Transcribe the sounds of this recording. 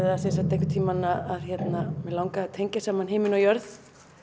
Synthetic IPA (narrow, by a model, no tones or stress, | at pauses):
ɪasɛs̬at̪ehkʏ̥t̪ʰiːmanaaðçɛt̪namɛlawŋkat̪ʰejɲcasaːmanɦeːmɪnɔjœɾð